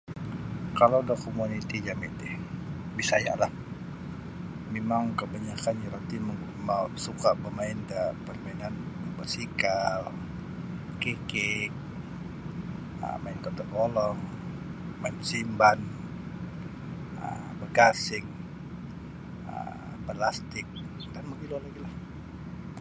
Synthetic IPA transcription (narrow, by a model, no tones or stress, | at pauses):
kalawdakomunit̪id͡ʒamit̪ɪh | bisaja̰lah | memaŋkəbaɲakanjaɾat̪imə | mausukabəmaɪndapərmainanməŋbəsikal | kekɪk̚ | ə̰maɪnk̪ət̪əkɔlɔŋ | maɪnsimban | ə̰ | bərkasɪŋ | ə̰ | pəlast̪ɪk̚ | danməɡilolaɡilah